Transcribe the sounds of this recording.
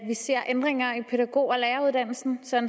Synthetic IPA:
ʋise̝ɐ̰ʔend̥ʁeŋɐipʰe̝d̥æɡ̥o̝̰ːɒleːɐuð̞ˠd̥æn̰l̩sn̩sɒ̽n

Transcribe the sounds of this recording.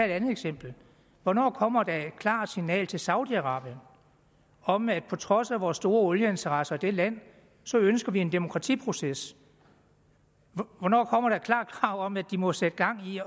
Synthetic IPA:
æe̝ɾænð̩ˠeɡ̥sem̰b̥l̩ | ʋɒnɒ̰ːkʰɒ̽m̰ɐd̥ɑed̥̚kʰlɑ̰̈ːd̥sinɛ̰ːlt͡sʰe̝lsɑ̈ʊd̥iæʁɑ̈ːb̥jən | ɒ̽mæd̥̚pʰɒ̽t͡sʰʁɒ̽sæʋɒːsd̥o̝ːɐɔ̽ljəe̝nt͡sʰɐʁɑsɐid̥e̝læn̰ | sɒ̽ønsɡ̥ɐʋie̝nd̥e̝mo̝kʰʁɑ̈t͡sʰḭːpʰʁo̝ses | ʋɒnɒ̰ːkʰɒ̽m̰ɐɾ̥ɑkʰlɑ̰̈ːɡ̥ʰʁɑ̈ʊ̰ɒ̽mæd̥imɒ̽sed̥əɡ̥ɑ̈ŋ̰i

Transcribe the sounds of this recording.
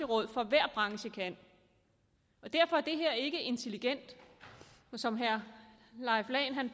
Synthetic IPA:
əʁɔ̽ð̞̰ˠfɒ̽ʋæɐ̰b̥ʁɑ̈ŋɕəkʰæn̰ | ɒ̽d̥æɐ̰fɒæɐd̥e̝ɦeɐ̰e̝ɡ̥əe̝nt͡sʰe̝liɡ̥en̰d̥ | sɒ̽mɦæɐ | lɑ̈ɪflɛɪnɦæn

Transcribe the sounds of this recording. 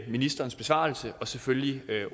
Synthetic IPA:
minisd̥ɐːn̩sb̥e̝sʋɑ̰̈l̩səɒ̽seføljiø

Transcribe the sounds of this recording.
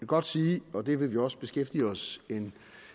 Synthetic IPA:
ɡ̥ɒ̽d̥siːɒ̽d̥e̝ʋe̝ʋiɒ̽sə̥b̥e̝sɡ̥efd̥iːɒ̽se̝n

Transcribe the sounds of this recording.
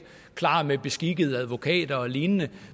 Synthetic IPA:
kʰlɑ̰̈ːmeb̥e̝sɡ̥iɡ̥əð̞̩ˠəæðˠʋo̝kʰɛ̰ːd̥ɐɒliːnnə

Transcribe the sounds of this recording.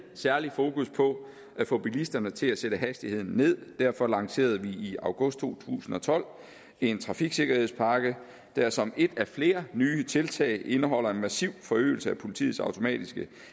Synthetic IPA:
sæɐlifo̝ːkuspʰɒ̽ | æfo̽b̥ilisd̥ɐnət͡sʰe̝læseɾ̥əɦæsd̥ihe̝ð̰ˠn̩ːe̝ð̞̰ˠd̥æɐ̰fɒ̽lɑ̈ŋse̝̰ːɐð̞ˠʋiiɑ̈ʊɡ̥ɔ̽sd̥̚t͡sʰo̝̰ːt͡sʰṵːsn̩ɒ̽t͡sʰɒ̽l̰ | e̝nt͡sʰʁɑ̈fiɡ̥se̝ɡ̥ɐhe̝ðˠspʰɑ̈ːɡ̥ə | d̥æɐsɒ̽me̝d̥æfle̝ːɐnyːt͡sʰe̝lt͡sʰɛ̰ɪʔe̝nəɦɒ̽l̰ɐe̝nmæsiʊ̰fɒ̽ø̰ːɪl̩səæpʰo̝lit͡sʰḭːð̩ˠsɑ̈ʊt͡sʰo̝mɛ̰ːd̥isɡ̥ə

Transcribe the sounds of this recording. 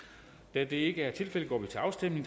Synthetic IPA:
d̥æd̥e̝e̝ɡ̥əæɐt͡sʰe̝lfel̰əɡɒ̰ːʋit͡sʰe̝ɑ̈ʊsd̥em̰ne̝ŋ

